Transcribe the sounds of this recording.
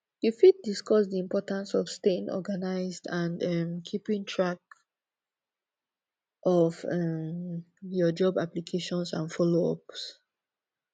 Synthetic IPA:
jufid̚diskɔsdiĩmpɔtãnsɔfsteĩnʔɔ̰ɡanaɪzdãnɛmkʰipĩŋtʰɹak̚ | ʔɔvɛm | jɔd͡ʒɔbaplikʰeʃɔ̃nsã̰nfɔloɔ̰ps

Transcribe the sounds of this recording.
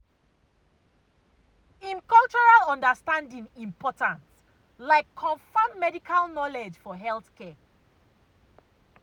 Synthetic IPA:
ĩnkʌlˠt͡ʃɔɹalɔ̃ndəstãndĩŋĩmpʰɔtãns | laɪkʰːɔ̃ɱfãmmɛdikʰalnɔled͡ʒfɔɦɛlθkʰɛ

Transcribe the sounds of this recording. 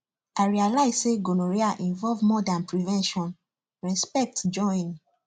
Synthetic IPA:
aɪɹialaɪzseɡonoɹiaʔĩnvɔlvmɔdãnpɹivɛ̃nʃɔ̃n | ɹɛspɛk̚td͡ʒɔ̃n

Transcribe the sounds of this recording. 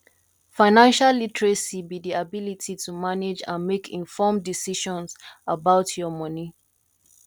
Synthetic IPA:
faɪnãnʃalːitɹesibidiabilitʰitʰumaned͡ʒã̰nmekʰĩɱfɔmdisiʃɔ̃nsabaʊtʰjɔmɔni

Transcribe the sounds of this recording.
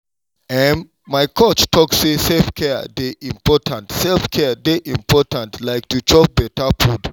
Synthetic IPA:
ɛ̃m | maɪkʰɔt͡ʃtʰɔksseselfkʰɛ̰deʔĩmpɔtʰãntsɛlfkʰɛdeʔĩmpʰɔtãntlaɪk̚tut͡ʃɔp̚bɛtapʰud

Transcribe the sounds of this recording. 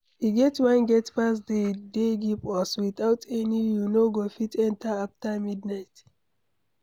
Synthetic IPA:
hiɡɛtwãnɡɛtpas̬dedeɡipɔswiθaʊtʰɛnijunoɡofitɛ̃ntaaftamidnaɪt

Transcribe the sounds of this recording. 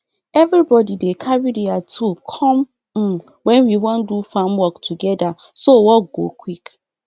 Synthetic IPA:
ɛvɾibɔdidekʰaɹiɾiatʰukʰɔ̃m̩ | wɛ̃nwiwɔ̃ndufãmwɔktʰuɡɛda | sowɔk̚ɡo̰kʰwik

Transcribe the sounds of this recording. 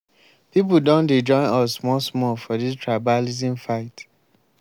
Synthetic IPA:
pip̬udɔ̃nded͡ʒɔ̃ɪ̃nɔsmɔsmɔfɔdistʰɹabalizĩmfaɪt

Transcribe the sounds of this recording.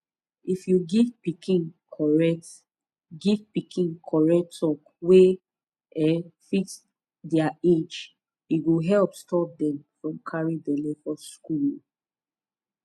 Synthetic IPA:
ifjuɡivpikʰĩnkʰɔɹɛt | ɡivpikʰĩnkʰɔɹɛk̚tʰɔk | we | ɛfit | dɛaed͡ʒ | uɡoɦɛlpstɔp̚dɛ̃mfɹɔ̃mkʰaɹĩdɛlefɔskul

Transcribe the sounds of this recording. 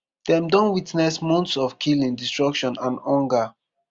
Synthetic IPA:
d̥ɛ̃mdɔ̃nwitnɛsmɔ̃ntsɔfkʰilĩŋdistɹɔkʃɔ̃nãnɔ̃ŋɡa

